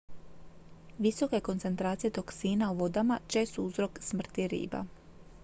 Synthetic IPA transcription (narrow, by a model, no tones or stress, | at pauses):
ʋiso̞ke̞ko̞nt̪se̞nt̪ɾaːt̪sije̞t̪o̞ksiːnauʋo̞d̪amat͡ʃe̞ːst̪uzɾo̞ksmr̩t̪iɾḭːba̰